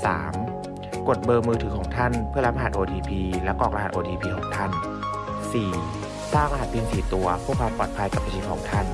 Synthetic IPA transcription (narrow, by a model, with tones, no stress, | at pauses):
sa̰ː˩˦m | ko˨˩t̪̚bɤː˧mɯː˧t̪ʰɯː˩˦kʰːŋt̪ʰa˥˩npʰɯ˥˩ɐla˦˥p̚ʔa˨˩t̪ʔoː˧t̪ʰiː˧pʰiː˧lɛ˦˥kɔː˨˩k̚ʔha˨˩ʔoː˧t̪ʰiː˧pʰiː˧kʰɔː˩˦ŋt̪ʰa˥˩n | siː˨˩ | saː˥˩ŋʔa˧ɦa˨˩t̪̚pʰi˧nsiː˨˩˦t̪u˧ɐpʰu˥˩əkwaː˧mpɔː˨˩t̪̚pʰaː˧jka˨˩p̚ʰːaː˧t̪ʰiː˨˦˥kʰɔː˨˩˦ŋt̪ʰa˥˩n